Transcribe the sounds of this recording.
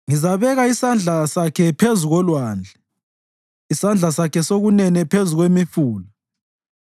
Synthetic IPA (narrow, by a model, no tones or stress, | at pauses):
ŋizaβɛɣaisand͡ɮʱasakʰɛpʰezuɣɔlwaːnd͡ɮʱɛ | isand͡ɮʱasakʰɛsoɣunɛnɛpʰezuɣwemifuːla